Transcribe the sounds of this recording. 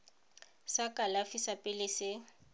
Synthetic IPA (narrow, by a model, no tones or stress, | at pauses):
sakʼalafisapʼɪlɪsɪ